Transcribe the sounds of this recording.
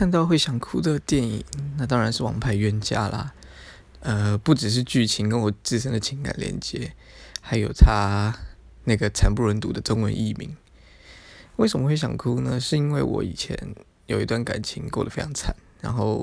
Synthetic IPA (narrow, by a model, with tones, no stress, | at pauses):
kʰa˥˧nt̪ɑ˥˧ʊxwe˥˩ɪɕjɑ˨˩ŋkʰu˥d̪ə˨t̪jɛ˥˩nḭ˨˩ŋna˥˩t̪ɑ˥ŋɻa˨nʂɻ̩˥˩wɑ̰˨˩ŋpʰa˥˩ɪɥɛ˥nt͡ɕja̰˥lɐ̰˨ | ə˧pu˥˩ʈ͡ʂɻ̩˨˩ʂ̬ɻ̩˥˧t͡ɕy˥˩t͡ɕʰi˧˥ŋkə˥˦nwɔ˨˩t͡sɹ̩˥˧ʂ̬ə˥ŋd̪ə˨t͡ɕʰi˧˥ŋka̰˨˩nljɛ̰˧˥nt͡ɕjɛ̰˧˦ | xa˧˥ɪjo˨˩ʊt̪ʰa˦ | na˥˩ɡə˩t͡sʰa˨˥npu˥˩ɻə˧˦nt̪ṵ˨˩d̪ə˦ʈ͡ʂo˥ŋwə̰˧˦nʔḭ˥˩mḭ˧˥˦ŋ | we˥˩ɪʂə˨˩mə˦xwe˥˩ɪɕjɑ̰˨˩ŋkʰu˦nə˨ʂɻ̩˥˩i˥nwe˥˩ɪwʔɔ̰˧˥ḭ˨˩t͡ɕʰjɛ̰˧˦n | jo˨˩ʊi˧˥t̪wa˥˩nka̰˨˩nt͡ɕʰḭ˧˥ŋko˥˩ʊdə˨˩fe˥ɪɑ˧˥ŋt͡sʰa˨˩˦nɻa̰˧˥nxo˥˩ʊ